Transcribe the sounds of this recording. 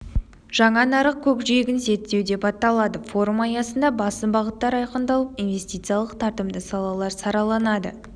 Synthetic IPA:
ʒ̥ɑɴɑnɑɾəq̚kʲʰɵkʒijɡʲɪnse̞t̪ːe̞wd̪e̞pɑt̪ɑlˠɑd̪əfo̞ɾumɑjɑsənd̪ɑbɑsəbɑʁət̪ːɑɾɑjqənd̪ɑlˠəpinve̞sʲt̪ijt̪sɨjalˠəqt̪ʰɑɾt̪əmd̪əsɑlˠɑlˠɑɾsɑɾɑlˠɑnɑd̪ə̰

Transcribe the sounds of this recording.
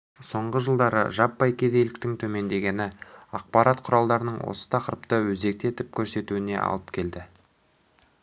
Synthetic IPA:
so̞ɴʁəʒəlˠd̪ɑɾə̰ʒɑpːɑjkʲʰe̞d̪e̞jlɪk̚t̪ɪŋt̪ʰɵme̞nd̪e̞ɡʲe̞nɪɑq̚pɑɾɑt̪qʰʊɾɑlˠd̪ɑɾənəɴwo̞̰sə̥t̪ʰɑqəɾəpt̪əwɵze̞k̚t̪e̞t̪ɪp̚kʲʰɵɾse̞t̪uɪne̞̰ʔɑ̰lˠəp̚kʲʰe̞ld̪ɪ

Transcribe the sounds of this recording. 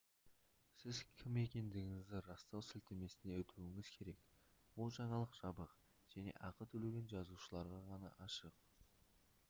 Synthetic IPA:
sɪzkʲʰɪme̞kʲe̞nd̪ɪɡʲɪŋɪzd̪ɪɾɑst̪ɑwsɪlt̪eme̞sɪne̞wɵt̪ʰuɪŋɪz̥kʲʰe̞ɾe̞kbʊlˠʒɑɴɑlˠəqʒ̥ɑbəq | ʒ̥æne̞̰ʔɑqət̪ʰɵleɡʲe̞nʒɑzuʃəlˠɑɾʁɑʁɑnɑ̰ʔɑʃəq̚

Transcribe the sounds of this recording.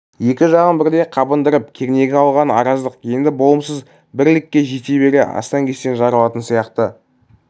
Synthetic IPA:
je̞kʲɪʒɑʁənbɪɾd̪e̞jqʰɑbənd̪əɾəp̚kʲʰe̞ɾne̞ɡʲeɑlˠʁɑnɑɾɑzd̪əqje̞nd̪ɪbo̞lˠəmsəz | bɪɾlɪkʲːe̞ʒe̞t̪ebe̞ɾḛɑ̰st̪ɑŋkʲʰe̞st̪enʒɑɾəlˠɑt̪ənsijɑqt̪ə

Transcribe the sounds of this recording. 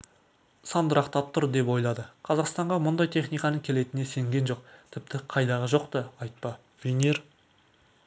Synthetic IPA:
sɑnd̪əɾɑqt̪ʰɑp̚t̪ʰʊɾd̪e̞pwo̞jlˠɑd̪əqʰɑzɑqst̪ɑɴʁɑmʊnd̪ɑjt̪ʰe̞χnijkɑnəŋkʲʰe̞le̞t̪ɪne̞se̞ŋɡʲe̞nʒo̞q̚t̪ʰɪp̚t̪ɪqʰɑjd̪ɑʁəʒo̞qt̪əɑjt̪̚pɑ | vʲenʲeɾ

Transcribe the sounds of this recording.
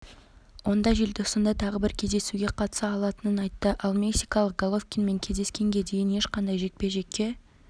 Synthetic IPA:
wo̞nd̪ɑʒelʲd̪əʊsənd̪ɑt̪ʰɑʁəbɪɾkʲʰe̞zd̪e̞suɡʲe̞qʰɑt̪ə̥sɑːlˠɑt̪ənənɑjt̪ːəʔɑlˠmʲe̞ksijkɑlˠəq̚ɡ̥olˠofkʲinme̞ŋkʲʰe̞zd̪e̞skʲe̞ŋɡʲe̞d̪e̞jɪne̞ʃqɑnd̪ɑjʒe̞k̪̚pe̞ʒe̞kʲːe̞

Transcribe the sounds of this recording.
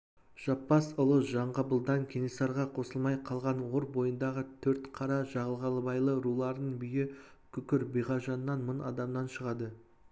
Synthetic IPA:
ʒ̥ɑpːɑsʊlˠəʒɑɴʁəbəlˠd̪ɑŋkʲʰenisɑɾʁɑqʰo̞səlˠmɑjqʰɑlˠʁɑnwoɾbo̞jənd̪ɑʁət̪ʰɵɾt̪qʰɑɾɑʒɑʁəlˠʁɑlˠəbɑjlˠəɾulˠɑɾd̪əɴbʏjɪ | kʲʰʏkʲɪɾbijʁɑʒɑnːɑnmənɑ̰d̪ɑmnɑnʃəʁɑd̪ə

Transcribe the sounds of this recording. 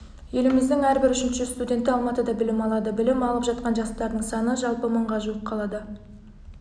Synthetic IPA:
je̞lɪmɪzd̪ɪŋæɾbɪɾʏʃɪnʃɪst̪ud̪ʲe̞nt̪ːɪɑlˠmɑt̪əd̪ɑbɪlɪmɑlˠɑd̪əbɪlɪmɑlˠəpʒɑt̪̚qɑnʒɑst̪ɑɾd̪əɴsɑnəʒɑlˠpəməɴʁɑʒuəp̚qʰɑlˠɑd̪ə

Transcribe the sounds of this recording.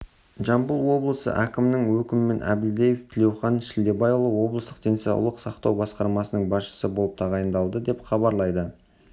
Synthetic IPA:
ʒɑmbəlˠwo̞blˠəsə̰ʔækʲɪmnɪŋwɵkʲɪmɪme̞nʔæ̰bɪld̪ejeft̪ʰɪlʲe̞wχɑnʃɪld̪e̞bɑjlˠəwo̞blˠəst̪əq̚t̪ʰe̞nsijɑ̰lˠːəqsɑqt̪ɑwbɑsqɑɾmɑsənəɴbɑsʃə̥səbo̞lˠəp̚t̪ʰɑʁɑjənd̪ɑlˠd̪əd̪e̞pχɑβɑɾlˠɑjd̪ə

